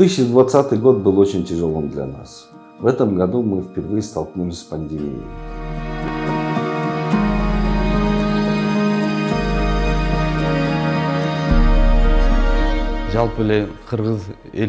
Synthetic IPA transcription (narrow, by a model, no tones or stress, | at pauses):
t̪ɨsɕːɨd̪vat̪sːat̪ɨjɡo̞t̪̚bɨlˠo̞t͡ɕɪnʲtʲʰɪʐolˠɨmd̪lʲa̰na̰s | vɛt̪əmɡad̪umɨfʲpʲɪrvɨjəst̪ɐlˠknumʲsʲpɐnʲdʲemʲḭḭj | ʒɑlˠpəleqʰəɾʁəz | e